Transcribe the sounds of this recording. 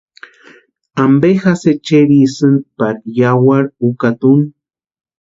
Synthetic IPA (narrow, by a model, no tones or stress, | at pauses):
ambexaset͡ʃeɾisɨnpaɾjawaɾukat̪un